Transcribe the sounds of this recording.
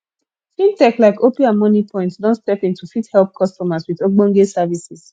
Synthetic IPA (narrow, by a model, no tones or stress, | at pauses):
fĩntɛklaɪkopĩãmɔnipʰɔ̃ɪ̃ntsdɔ̃ntstɛpĩntufithɛlp̚kʰɔstɔmaswiðoɡ͡bɔ̃nɡesavisis